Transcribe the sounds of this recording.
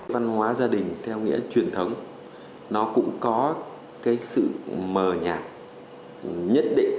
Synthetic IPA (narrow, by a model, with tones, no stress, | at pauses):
jva˧nhwaː˨˦zaː˧ɗï˨˩ŋ̟t̪ʰɛ˧wŋḭ˧˥ət͡ɕwi˨˩ənt̪ʰə˨˦wŋ͡m | nɔ˨˦kʊ̰˧˥ŋ͡mkɔ˨˦ | kaː˨˦jsɨ̰˧˨məː˨˩ɲaː˨˩k̚ | ɲə˦˥t̚ɗḭ̈˧˨ŋ̟